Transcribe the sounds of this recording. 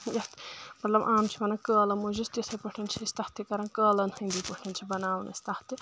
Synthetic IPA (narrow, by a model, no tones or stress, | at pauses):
jɐht̪mɐt̪lɐbʔaːmt͡ʃʰimɐnɐkəːlɐmuzist̪isʰɐpɐʈʰint͡ʃʰist̪ɐht̪ikɐɾɐ̃nkəːlɐnhɐ̃nd̪ipəʈʰint͡ʃʰibɐnaːwnɐ̰st̪ɐht̪ɨ